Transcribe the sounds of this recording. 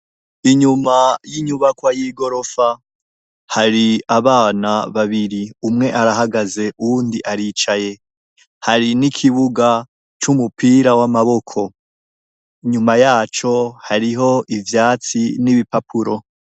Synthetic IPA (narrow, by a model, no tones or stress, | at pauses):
iɲumajiɲuβakwajiɡo̞ɾo̞fa | haɾiaβaːnaβaβiɾiumŋe̞ʔaɾaɦaɡaze̞ʔuuːndiʔaɾiːt͡ʃaje̞ | haɾinikʰiβuɡa | t͡ʃumupiːɾawamaβo̞kʰo̞ | iɲumajaːt͡ʃo̞haɾiɦo̞ʔivjaːt͡siniβipapʰuɾo̞